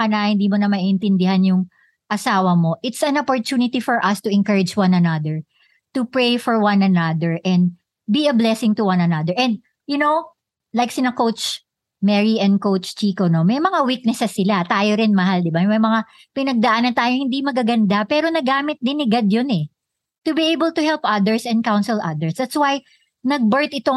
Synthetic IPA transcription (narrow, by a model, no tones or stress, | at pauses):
ɐnɐhɪ̃nd̪iːmonɐmaniʔɪnt̪ɪnd̪ɪhanjʊŋ | ʔɐsaːwɐmo̞ʔɪt̪sɐ̃nopoɹt̪uːnɪt̪ifɔɹʔɐst̪ʊʔɪŋkɐɹɪd͡ʒwãnɐnɐd̪ɛɹ | t̪upɹejfɔɹwɐnɐnɐd̪ɛɹʔɛnd̪̚ | biɐblɛsɪ̃ŋt̪uwɐ̃nɐnɐd̪ɛɹʔɛ̃nd̪̚ | jʊnow | lajksɪnɐkowt͡ʃ | mɛɹiʔɛ̃nd̪̚kowt͡ʃt͡ʃiːkono̞mɐjmɐŋawik̚nɛʃasɪlat̪aːjoɾɪnmɐɦald̪ɪbamɐjmɐŋa | pɪnɐɡ̚d̪ɐʔanɐt̪aːjohɪ̃nd̪imɐɡaɡɐnd̪apɛːɾo̞nɐɡaːmɪt̪̚d̪ɪnɪɡad̪jonɛ | t̪ʊbiejbəlt̪ʊhɛlpʔɐðəɹsɛ̃n̚kawnsɛlʔɐ̰d̪ɛɹsd̪ɐt̪swaj | nɐɡ̚bəɹt̪ɪt̪o